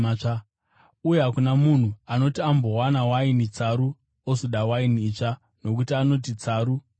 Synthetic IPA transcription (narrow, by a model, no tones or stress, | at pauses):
a | ujeɦakunamun̤uano̞tiambo̞wanawainit͡saɾu | osoɗawainiit͡ʂa | no̞kutiano̞t̬it͡saːɾu